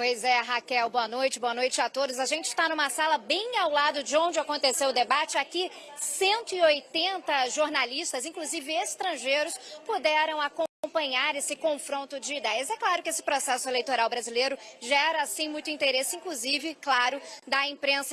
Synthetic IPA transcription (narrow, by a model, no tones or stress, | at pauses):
pojzɛɦakɛwboɐnojt͡ʃɪboɐnojt͡ʃɪat̪od̪ʊzaʒẽnt͡ʃɪ̥st̪anũmɐsalɐbẽj̃awlad̪ʊd͡ʒɪõw̃d͡ʒɪakõnt̪esewʊd̪ebat͡ʃɪaki | sẽnt̪ʊɪojt̪ẽnt̪ɐʒoɾnalist̪ɐzĩkluzivɪest̪ɾɐ̃ʒejɾʊspud̪ɛɾɐ̃w̃akõpɐ̃ɲaɾesɪkõfɾõnt̪ʊd͡ʒɪid̪ɛjɐzɛklaɾʊkɪesɪ̥pɾosɛsʊelejt̪oɾawbɾazilejɾʊʒɛɾɐasĩmũj̃t̪ʊĩnt̪eɾesɪĩŋkluzivɪklaɾʊd̪ɐĩpɾẽsɐ